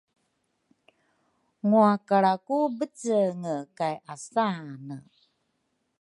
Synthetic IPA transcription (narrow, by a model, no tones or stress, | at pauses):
ŋuakaɭakubət͡səŋəkajʔasanə